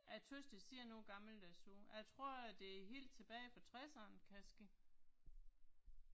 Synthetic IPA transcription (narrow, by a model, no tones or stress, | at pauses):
ʔæt͡sʰøsd̥əsiɐnoːɡ̥ɑ̈ml̩d̥æsoæt͡sʰʁo̝ɐ̰æd̥e̝æɦe̝̰ːld̥̚t͡sʰe̝b̥ɛːɪfɒ̽t͡sʰʁɛsɐːnkʰæsɡ̥i